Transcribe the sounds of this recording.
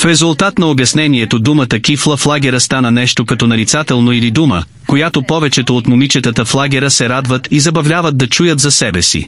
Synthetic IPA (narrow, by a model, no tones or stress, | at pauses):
fɾɛzʊlˠt̪at̪nɐobjɐsnɛniɛt̪od̪umət̪ək̟ʲiflˠəflˠaɡʲɛɾəst̪anənɛʃt̪okɐt̪ɔnɐɾit̪sat̪ɛlˠnoilid̪umə̰ | kojat̪opɔvɛt͡ʃɛt̪oːt̪momit͡ʃɛt̪ət̪əflˠaɡʲɛɾəsɛɾad̪vət̪izɐbɐvlʲavəd̪̚ːɐt͡ʃujət̪zɐsɛbɛsḭ